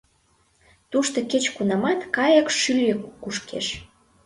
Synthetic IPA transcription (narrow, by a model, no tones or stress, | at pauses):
t̪uʃt̪oket͡ɕkunɑmɑt̪kɑjə̆kʃylʲøkuʃkḛʃ